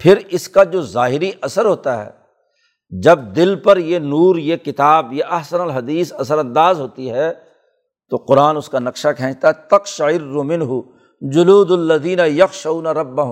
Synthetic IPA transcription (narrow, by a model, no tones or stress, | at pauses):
pʰɪɾɪskad͡ʒoːzaːɦɪɾiʔɐsəɾɦoːt̪aɦɛ̰ː | d͡ʒɐb̚d̪ɪlpɐɾjenuːɾjekɪt̪aːbjeʔɐɦsənəlɦɐd̪iːsɐsəɾɐ̃nd̪aːzɦoːt̪iɦɛː | t̪oqʊɾaːnʊskanɐqʃakʰɛ̃ːt͡ʃt̪aɦɛt̪ɐqʃaɪrːʊmɪ̃nɦʊ | d͡ʒʊluːd̪ɐlːɐðiːnɐjɐxʃauːnaɾɐbːɐɦʊ̃m